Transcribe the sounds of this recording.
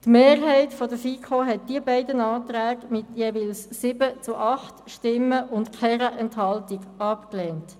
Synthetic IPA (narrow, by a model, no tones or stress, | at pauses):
tmeːrɦɛɪtfɔdəfiːkʰoɦɛt̚d̥iəbɛɪdənɑːt̪ɾæːɡmɪtjeːviːlsːɪbət͡suʔɑχtʃtɪmːəʔʊntkʰɛɾəʔɛnthɑltɪɡɑpklɛːnt